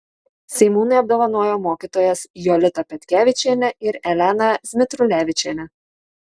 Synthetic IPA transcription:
sʲɛɪmuːnɐɪɐb̚d̪oːʋɐnoːjoːmoːkʲiːt̪oːjɛsjɔlʲɪt̪ɐpʲɛt̪ʲkʲæːʋʲɪt͡ʃʲenʲɛɪɾɛlʲænɐzʲmʲɪt̪ɾʊlʲæːʋʲɪt͡ʃʲɛnʲɛ

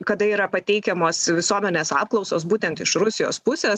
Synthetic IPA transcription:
kɐd̪ɐiːɾɐpɐt̪ʲɛɪkʲɛmoːsʋʲɪsuɔmʲɛnʲeːsɑːp̚klˠɒʊsoːsbuːt̪ʲɛnt̪ɪʃɾʊsʲɪjo̰ːspʊsʲeːs

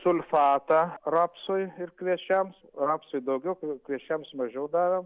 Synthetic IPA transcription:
sʊlʲfɑːt̪ɑrɑːpsʊjɪɾkʋʲiɛt͡ʃʲɛms | rɑːpsʊjd̪ɐʊɡʲɛʊkkʋʲiɛt͡ʃʲɛmsmɐʒʲɛʊd̪ɑːɾom

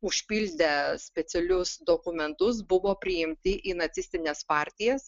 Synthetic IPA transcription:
ʊʃʲpʲiːlʲd̪ʲɛsʲpʲɛt̪ʲɛlʲʊsd̪oːkʊmʲɛnt̪ʊs̬bʊʋoːpʲɾʲɪɪmʲt̪ʲɪʔiːnɐt̪sʲɪsʲt̪ʲɪnʲeːspɑːɾʲt̪ʲɪjɛs

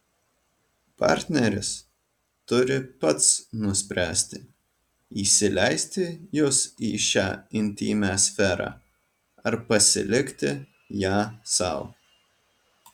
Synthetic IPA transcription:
pɑ̰ɾʲt̪ʲnʲɛɾʲɪs | t̪ʊɾʲɪpɐt̪snʊsʲpʲɾʲʔæːsʲt̪ʲɪ | iːsʲɪlʲɛɪsʲt̪ʲɪjʊsiːʃʲæːɪnʲt̪ʲḭːmʲæːsʲfʲɛɾɑ̰ː | ɐɾpɐsʲɪ̰lʲɪkt̪ʲɪ | jæːsɑ̰ˑʊ

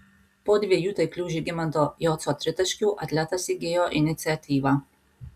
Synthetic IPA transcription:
pɔd̪ʋʲiejut̪ɾɛjklʲuːʒiɡɪmant̪ɔjɔːt̪sɔt̪ɾɪt̪ɐʃkuʔat̪lʲat̪asiɡeːjɔʔinit̪siat̪ʰiːʋa

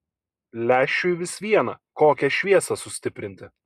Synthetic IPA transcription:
lʲæːʃʲt͡ʃʲʊʋʲɪsʋʲiɛnɐ̰koːkʲɛʃʲʋʲiɛsɐsʊsʲt̪ʲɪpʲɾʲɪnʲt̪ʲɪ

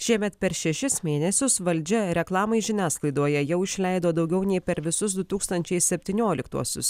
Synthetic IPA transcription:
ʃʲiɛmʲɛt̪pʲɛɾʃʲɛʃʲɪsmʲeːnʲɛsʲʊsʋɐlʲd͡ʒʲɛɾʲɛklˠɑːmɐɪʒʲɪnʲæːsklˠɐɪd̪oːjɛjɛʊɪʃʲlʲɛˑɪd̪oːd̪ɒʊɡʲɛʊnʲɛɪpʲɛɾʋʲɪsʊs̬d̪ʊt̪uːkst̪ɐnʲt͡ʃʲɛɪssʲɛpʲt̪ʲɪːnʲoːlʲɪkt̪ṵɔsʲʊ̰s

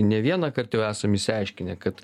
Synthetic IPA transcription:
nʲɛʋʲiɛnɐkɐrt̪jɛʊæːsɐmɪsʲɪɐɪʃʲkʲɪnʲɛkɐt̪

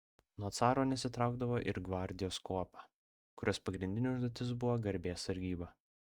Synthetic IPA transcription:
noɔt̪sɑːɾoːnʲɛsʲɪt̪ɾɑˑʊɡd̪ɐʋoːʔɪ̰ɾɡʋɑɾʲd̪ʲɪjoːskoːpɑ | kʊɾʲoːspɐɡɾʲɪnʲd̪ʲɪnʲɛʊʒd̪oɔt̪ʲɪs̬bʊʋoːɡɐɾʲbʲeːsɐɾʲɡʲiːbɐ

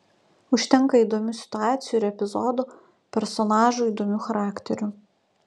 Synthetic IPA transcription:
ʊʃʲt̪ʲɛŋˑkɐiːˑd̪omʲʊsʲɪ̥t̪ʊɑːt̪sʲɪjuɪɾɛpʲɪzɔd̪u | pʲɛɾsɔnɑːʒuiːˑd̪omʲuxɐɾɑːkt̪ʲɛɾʲʊ

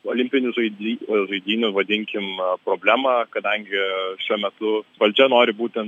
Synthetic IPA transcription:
oːlʲɪmʲpʲɪnʲʊʒɐɪd̪ʲiʒɐɪd̪ʲiːnʲʊʋɐd̪ʲɪŋʲkʲɪmpɾoːbʲlʲæːmɑkɐd̪ɐŋʲɡʲɪʃʲuɔmʲɛt̪ʊʋɐlʲt͡ʃʲɛnoːɾʲɪbuːt̪ʲɛnt

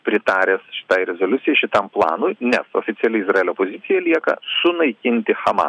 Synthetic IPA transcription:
pʲɾʲɪt̪ɑːɾʲeːsʃʲɪ̥t̪ɑːɪɾʲɛzoːlʲʊt̪sʲɪjɛɪʃʲɪt̪ɐmplˠɑ̰ːnʊɪnʲɛso̰ːfʲɪt̪sʲɪɛlʲɪɪzrɑeːlʲoːpoːzʲɪt̪sʲɪjɛlʲiɛkɐ̰sʊnɐɪkʲɪnʲt̪ʲɪxɐmɑ̰

